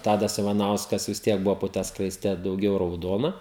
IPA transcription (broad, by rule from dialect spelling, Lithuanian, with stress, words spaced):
ˈtɑːdɐs ɪʋɐˈnɐʊskɐs ʋʲɪs ˈtʲiɛk ˈbʊʋoː poː ˈtɑː skrɐɪsʲˈtʲɛ dɐʊˈɡʲɛʊ rɐʊˈdoːnɐ